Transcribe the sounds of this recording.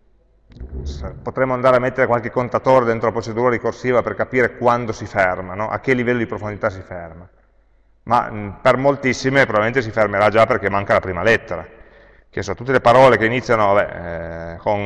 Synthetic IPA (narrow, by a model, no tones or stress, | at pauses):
pot̪ɾemːoand̪aːɾeamːet̪ːeɾekwalk̟ekːont̪at̪oːɾed̪ent̪ɾolapɾot͡ʃed̪uːɾaɾikorsiːvaperkapiːɾekwand̪osifermanɔʔa̰k̟ːelːivɛlːod̪ipɾofond̪it̪as̬iferma | ma̰permolt̪isːimepɾobabilment̪es̬ifermeɾad͡ʒaperk̟emːaŋkalapɾiːmalɛt̪ːeɾa̰ | k̟esːot̪ːut̪ːelepaɾɔːlekeinit̪sːjanoabɛ̰ | kon